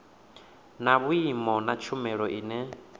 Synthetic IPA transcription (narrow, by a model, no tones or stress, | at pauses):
naβuimɔnat͡ʃʰumɛɺɔʔiːnɛ